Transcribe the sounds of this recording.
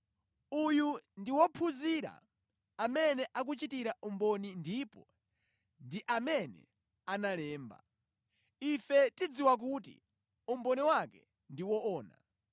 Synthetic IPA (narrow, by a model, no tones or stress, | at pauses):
ujundiwɔpʰuziɾa̰ | amɛnɛʔak̬ut͡ʃitiɾaumbɔnindipɔ | ndiʔamɛnɛ̰ | analɛːmba̰ | ifɛtid͡ziwak̬ut̬ḭ | umbɔniwakɛ̰ | ndiwɔɔːna̰